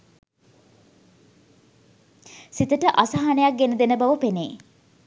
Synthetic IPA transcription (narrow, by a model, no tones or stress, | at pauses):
sit̪əʈəʔasaɦanejak̚ɡenəd̪enəbaʋəpeneː